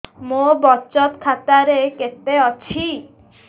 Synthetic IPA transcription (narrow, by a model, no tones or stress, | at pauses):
mobɔt͡ʃɔt̪kʰat̪aɾeket̪eɔt͡ɕʰi